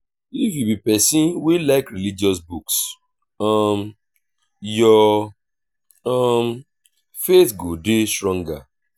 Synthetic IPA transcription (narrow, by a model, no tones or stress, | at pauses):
ifjubipɛsĩnwilaɪkɾilid͡ʒiɔsbuks | ɔm | jɔ | ɔm | fetɡodestɾɔ̃ŋɡa